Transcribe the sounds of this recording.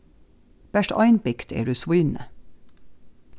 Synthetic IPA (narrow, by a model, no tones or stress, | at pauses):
b̥æʃtɑ̰ɪnpɪkt̪ʰḛːɖʉːsʋʊːnə̰